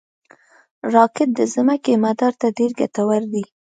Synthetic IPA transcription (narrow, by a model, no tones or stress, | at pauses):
ɾɑkɪt̪̚d̪əzɪmakemad̪ɑɾt̪adeɾɡa̰t̪awaɾd̪i